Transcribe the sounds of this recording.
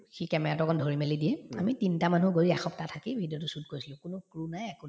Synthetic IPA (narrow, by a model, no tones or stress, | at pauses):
xikɛmɛɹatɔkʰɔndʱoɹimelidiɛamitintamanuɡoɹiɛxɔp̚tatʰakibʱidijɔtʊsud̚koɹisilʊ̃kʊnʊkɹunajakun